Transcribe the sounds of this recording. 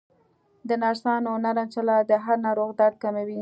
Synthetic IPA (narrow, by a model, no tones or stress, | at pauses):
d̪ənɑɾsɑnʊnaɾant͡ʃalɑd̪əɦaɾnɑɾoɣd̪ɑd̪̚kamawi